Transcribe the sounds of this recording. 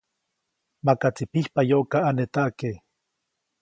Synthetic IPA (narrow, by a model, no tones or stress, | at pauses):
makat͡sipihpajoʔkaanet̪aʔke